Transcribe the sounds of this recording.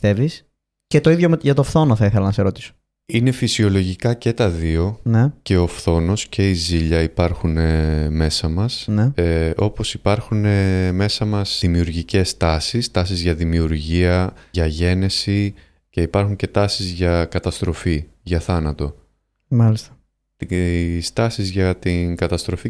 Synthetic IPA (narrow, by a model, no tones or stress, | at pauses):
θevis | cet̪o̞iðjoʝɐt̪ofθo̞noθɐiθelɐnɐseɾo̞t̪i̥so̥ | ine̞fisio̞lo̞ʝikɐce̞t̪ɐðio̞nece̞o̞fθo̞no̞scʰe̞iziʎɐipɐɾxuneme̞sɐmɐsneo̞po̞sipɐɾxune̞me̞sɐmɐsimiuɾʝice̞st̪ɐsist̪ɐsizʝɐðimiuɾʝiɐʝɐʝe̞ne̞si | ce̞ipɐɾxuɲce̞t̪ɐsizʝɐkɐt̪ɐst̪ɾo̞fiʝɐθɐnɐt̪o̞ | mɐlist̪ɐ̥ | t̪st̪ɐsizʝɐt̪iŋkɐt̪ɐst̪ɾo̞fi